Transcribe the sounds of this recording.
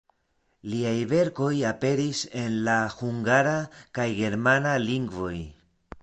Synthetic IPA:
liajve̞ɾko̞jape̞ɾise̞nlahuŋɡaɾakajɡe̞ɾmanaliŋɡvo̞j

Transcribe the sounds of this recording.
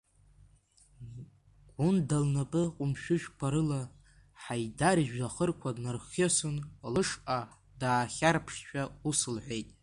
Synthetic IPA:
ɡ̥ʷʊndalnapʼɨqʷʼʊmʃᶣʊʃᶣkʷʰaɾɨla | ħajdaɾiʒᶣaχərkʷʰadnɨrχʲesunlɨʂʔa | daːχʲarpʰʂt͡ʃᶣausɨlħʷe̞jtʼ

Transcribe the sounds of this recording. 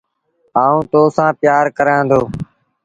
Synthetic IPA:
aːũːt̪oːsãːpɪjaːɾkəɾãːd̪oː

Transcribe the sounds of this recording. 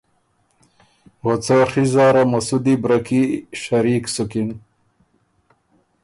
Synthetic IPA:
ʁot͡saχizaːɾɐmɐsud̪ibɾɐkiɕɐɾiːksukin

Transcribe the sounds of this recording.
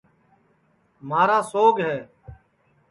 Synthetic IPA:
maːɾaːsoːɡɦɛː

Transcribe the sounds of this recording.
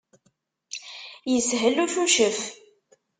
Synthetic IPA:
jəsɦəlːuθuʃəf

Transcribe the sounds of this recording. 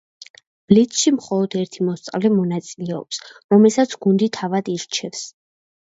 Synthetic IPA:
b̥lit̪ʰʃimχɔlˠɔd̪ɛɾt̪ʰimɔst̪sʼa̰vlɛmɔnat̪sʼilɛɔ̰psɾɔmɛlsat̪sʰɡund̪it̪ʰavad̪iɾt͡ʃʰɛfs

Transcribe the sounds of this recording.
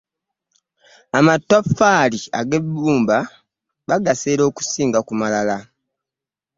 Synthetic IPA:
amatːafːaːlia̰ɡebuːmba | βaɡaseːɾo̞ːku̥siːŋɡakumalala

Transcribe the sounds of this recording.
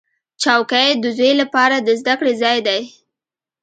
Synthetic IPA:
t͡ʃɑwkajd̪əzejlapɑɾad̪əzd̪akɽezɑjd̪aj

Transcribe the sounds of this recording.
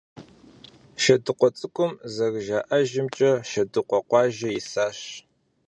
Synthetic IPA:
ʃɐdɨqʷɔt͡sʼɨkʷʰʊmzɐɣʒaːʔɐʒɪmt͡ʃʼɐʃɐdɨqʷɔqʷɑːʒɐjɪsaːɕ

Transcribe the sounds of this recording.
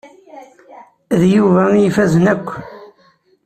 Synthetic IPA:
ðjuvæjifæzənækʷː

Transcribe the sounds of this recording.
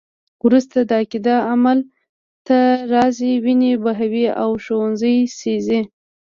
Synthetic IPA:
wɾust̪ad̪əakid̪ɑamal | t̪aɾɑziwinebaɦawiawʃowanzəjsezi

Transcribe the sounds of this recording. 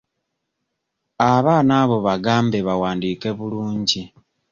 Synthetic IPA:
aβaːnaβo̞βaɡaːmbe̞βawaːndiːke̞βuluːɲɟi

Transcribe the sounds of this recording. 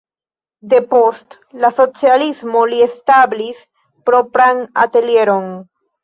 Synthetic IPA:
d̪epost̪ | lasot͡sjalizmoliest̪aβlis | pɾopɾaŋat̪eljeɾoŋ

